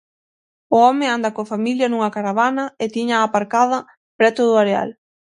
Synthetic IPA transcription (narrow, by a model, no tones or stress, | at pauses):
ʊɔmɪand̪ɐkofamiljɐnuŋɐkaɾaβ̞anɐɪt̪iɲaːpaɾkað̞ɐ | pɾɛt̪ʊðʊaɾea̰l